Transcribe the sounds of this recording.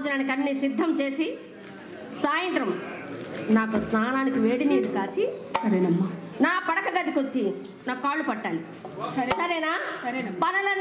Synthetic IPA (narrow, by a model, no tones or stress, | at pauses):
d͡ʒɐnaːnikɐnːisid̪ʱːɐmt͡ʃe̞ːsi | saːjɐnt̪ɾɐm | naːkusnaːnaːnikiʋe̞ːɽineːɽukaːt͡ʃisɐɾenɐmːa | naːpɐɽɐkɐɡɐd̪ikot͡ʃːi | naːkukaːɭːupɐʈːaːli | sɐɾɛːnaːpɐnɐlɐn